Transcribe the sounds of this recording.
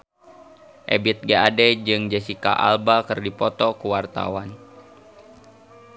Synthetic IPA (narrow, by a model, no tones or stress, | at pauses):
ʔebit̪̚ɡeadɛd͡ʒɨŋd͡ʒɛsika̰ʔa̰lbakɨrdipɔt̪ɔkuwart̪a̰wan